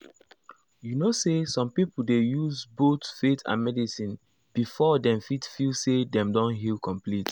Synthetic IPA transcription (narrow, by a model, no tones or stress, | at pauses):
junosesɔ̃mpipul̩dejuzbotfetʰã̰nmɛdisĩn | b̥ifɔdɛ̃mfitfilsedɛ̃mdɔ̃nɦilkʰɔ̃mplit